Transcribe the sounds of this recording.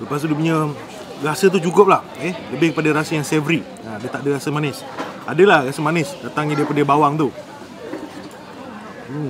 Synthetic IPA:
ləpas̬udip̬uɲə | rasət̪̬ut͡ʃukʊp̚lah | ɛləbɪhkəpadaɾasəjaŋsɛvɾi | aadət̪aʔdəɣasəmanɪs | adəlahɣasəmanɪsdat̪aŋɲidajpadəbawaŋt̪u

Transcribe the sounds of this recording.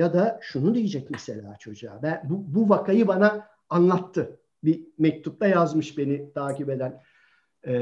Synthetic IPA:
jad̪aʃunud̪ijid͡ʒɛc̚mese̞lʲa̰ːt͡ʃʰo̞d͡ʒa̰ːbænbubuvakʰajɯbanaː | nlˠat̪ʰːɯ | bimɛc̚t̪ʰup̚t̪ʰajazmɯʃbe̞nit̪ʰaːcipe̞d̪æn | ɛ

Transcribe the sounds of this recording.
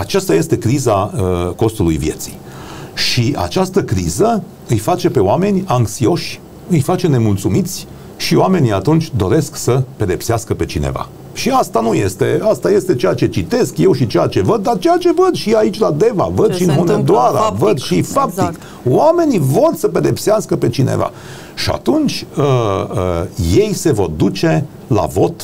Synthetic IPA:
at͡ʃast̪aje̞st̪e̞kɾizako̞st̪ulṵjvje̞̰t̪si̥̰ | ʃia̰t͡ʃast̪əkɾizə | ɨjfat͡ʃe̞pe̞oame̞nʲaŋksio̞ʃʲ | ɨjfat͡ʃe̞ne̞mult̪sumit̪sʲ | ʃioame̞niat̪unt͡ʃʲd̪o̞ɾe̞sksəpe̞d̪e̞pseaskəpe̞t͡ʃinḛva̰ | ʃiast̪anuje̞st̪e̞ast̪aje̞st̪e̞t͡ʃejat͡ʃe̞t͡ʃit̪e̞skje̞wʃit͡ʃejat͡ʃe̞vəd̪̚ːart͡ʃejat͡ʃe̞vəd̪ʃiait͡ʃʲlad̪e̞va̰vəd̪ʃiɨnɦoned̪oaɾavəd̪ʃifap̚t̪ik | wame̞nivo̞rsəpe̞d̪e̞pseaskəpe̞t͡ʃinḛva̰ | ʃia̰t̪unt͡ʃʲə | je̞jse̞vo̞rd̪ut͡ʃe̞ | la̰vo̞t̪

